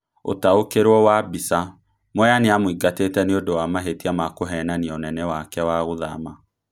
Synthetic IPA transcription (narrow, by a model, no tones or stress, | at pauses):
o̰taokeɾwɔwabisa | mwjaneamoiɡateːtɛneodowamaɦetiamakoɦɛnaniaonɛnɛwakɛwaɣoða̰ma